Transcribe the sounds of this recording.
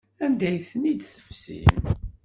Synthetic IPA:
ænd̪æjθənid̪θə̥fsḭm

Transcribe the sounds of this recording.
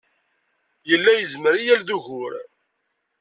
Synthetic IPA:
jəlːæjəzməɾijælðuʝʊɾ

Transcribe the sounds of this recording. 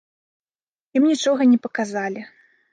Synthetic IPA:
jimnʲit͡ʂɔɣɐnʲɛpɐkazalʲi

